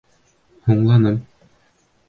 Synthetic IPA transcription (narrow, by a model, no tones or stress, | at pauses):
huɴlˠɑnɤm